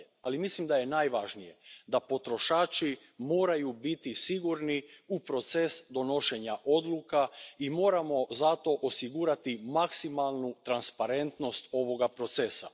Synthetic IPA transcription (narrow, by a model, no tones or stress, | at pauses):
alimislimd̪aje̞naːjʋaʒnije̞d̪apo̞t̪ɾo̞ʃaːt͡ʃi | mo̞ːɾajubit̪isiɡuɾniupɾo̞t̪se̞sd̪o̞no̞ʃe̞ɲaʔo̞d̪lˠukaimo̞ːɾamo̞zat̪o̞ʔosiɡuːɾat̪imaksimalˠnut̪ɾanspaɾe̞nt̪no̞st̪o̞ʋo̞ɡapɾo̞t̪se̞sa̰